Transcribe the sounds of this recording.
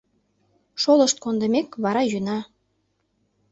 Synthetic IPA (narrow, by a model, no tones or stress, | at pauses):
ʃoləʃt̪̚kond̪ə̆mekβɑɾɑjynɑ